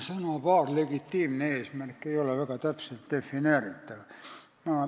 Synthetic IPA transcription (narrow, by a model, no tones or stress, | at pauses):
sɑnɑpɑːrleɡit̪ːiːmineeːsmærkːeijoleʋækɑt̪æpselt̪d̪efːineːrit̪ːæʋ | mæː